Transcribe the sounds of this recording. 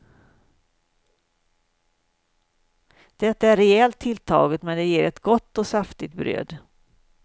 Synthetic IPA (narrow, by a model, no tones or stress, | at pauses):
d̪̥ɛt̪ːaæɾɛɛlt̪ʰːɪlt̪ʰɑ̰ːɡət̪mɛnd̪ɛjeːɾɛt̪ɡɔt̪ːɔsaft̪ɪt̪̚bɾø̰ːd̪